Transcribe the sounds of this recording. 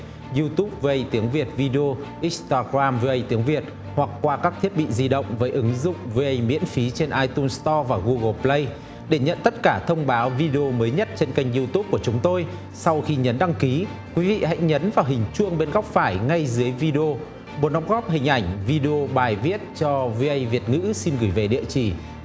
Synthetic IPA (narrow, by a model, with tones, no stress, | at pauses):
zu˧t̪u˦˥p̚ve˧ʔə˧jt̪i˨˦əŋvi˨˩ət̚vi˧ɗe˧o˧ʔi˦˥st̪aː˧ɣɾaː˧mve˧ʔə˧jt̪i˨˦əŋvi˨˩ət̚ | hwa˨˩k̚kwaː˧kaː˦˥k̚t̪ʰi˦˥ət̚ɓḭ˧˨zi˧ɗə̰˧˨wŋ͡mvəː˨˦jʔɨ˨˦ŋzʊ̰˧˨ŋ͡mve˧ʔə˧jmḭ˧˥ənfi˨˦t͡ɕe˧nʔaː˧jt̪u˧nst̪ɔ˧vaː˨˩ɣu˧ɣə˨˧˩plə˧j | ɗe˧˩ɲə̰˧˨nt̪ə˦˥t̚kaː˧˩t̪ʰə˧wŋ͡mɓaː˨˦wvi˧ɗe˧o˧məː˨˦jɲə˦˥t̚t͡ɕe˧nka˧jŋ̟zu˧t̪u˦˥p̚ku˧˩ət͡ɕʊ˨˦ŋ͡mt̪o˧j | sa˧wxi˧ɲə˨˦nɗa˧ŋki˨˦kwi˨˦vḭ˧˨ha̰˧˥jŋɲə˨˦nvaː˨˩ɦï˨˩ŋ̟t͡ɕu˧əŋɓe˧nɣɔ˦˥wk͡p̚faː˧˩jŋa˧jzɨ˨˦əjvi˧ɗe˧o˧ | ɓo˨˦nɗɔ˨˦˥wk͡p̚ɣɔ˦˥p̚ɦï˨˩ŋ̟ʔa˧˩jŋ̟vi˧ɗe˧o˧ɓaː˨˩jvi˦˥ət̚t͡ɕɔ˧vi˧ʔə˧jvi˨˩ət̚ŋɨ̰˧˥si˧nɣɨ˧˩jve˨˩ɗḭ˧˨ət͡ɕi˧˩